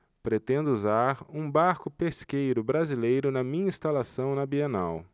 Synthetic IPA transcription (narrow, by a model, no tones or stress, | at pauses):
pɾet̪ẽnd̪ʊuzaɾũbaɾkʊpeskejɾʊbɾazilejɾʊnɐmĩɲɐĩst̪alasɐ̃w̃nɐbianaw